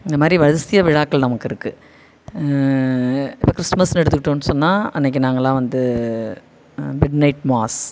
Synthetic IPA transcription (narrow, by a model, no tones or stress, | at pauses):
ɪnd̪ɐmaːd̪ɾiʋɐɻɐsɪjɐʋɪɻaːkːɐɭnɐmɐkːɪɾɯkːɯ | ɪpːɐkɾɪsmɐsnɛɽɯt̪ːɯkːɪʈːõːnːɯsɔnːaːɐnːɛk̬ːɯnaːŋɡɐlãːʋɐnd̪ɯ | mɪɖnɐɪʈmaːs